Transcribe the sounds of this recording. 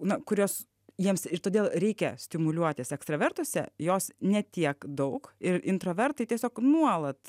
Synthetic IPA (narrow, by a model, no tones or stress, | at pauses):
nɐkʊɾʲoːs | jiɛmsɪt̪oːd̪ʲeːlˠɾʲɛɪkʲɛsʲt̪ʲɪmʊlʲuɔt̪ʲɪsɛkst̪ɾɐʋʲɛrt̪uɔsʲɛ̰joːsnʲɛt̪ʲiɛkd̪ɐʊkɪɾɪnt̪ɾoʋʲɛrt̪ɐɪt̪ʲiɛsʲoːknuɔlˠɐt̪